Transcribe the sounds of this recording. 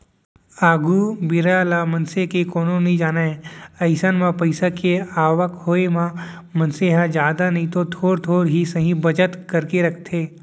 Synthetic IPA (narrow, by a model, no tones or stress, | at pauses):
aːɡubɪɾalamɐ̃nsekekoːnõnɦĩd͡ʒaːnaẽɐɪsənmãpɐɪsakeaːʋəkhoːemã | mɐ̃nseɦãd͡ʒjaːd̪anɐɦĩt̪ot̪ʰoːɾt̪ʰoːɾɦisɐɦĩbɐd͡ʒət̪kɐɾkeɾɐkʰt̪ʰeː